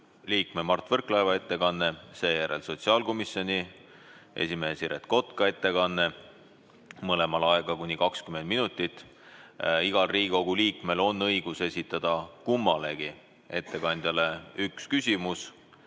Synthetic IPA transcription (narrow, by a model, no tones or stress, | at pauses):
liːkme̞mɑrt̪vɤrklɑevɑe̞t̪ːe̞kɑnːe̞se̞ːjæɾe̞̰lso̞t̪siɑːlko̞misjo̞nʲi | ʔe̞̰sʲime̞ːsiɾet̪ko̞t̪kɑe̞t̪ːe̞kɑnːe̞ | mɤle̞mɑlɑeɡ̥ɑkunʲikɑkskymend̪minut̪ːˑit̪ː | iɡ̥ɑlriːiɡo̞ɡ̥uliːkme̞lo̞nːɤ̞jɡ̥use̞sʲit̪ːˑɑd̪̥ɑkumːɑle̞ɡ̥i | e̞t̪ːe̞kɑnʲd̪̥jɑle̞ykskysʲimus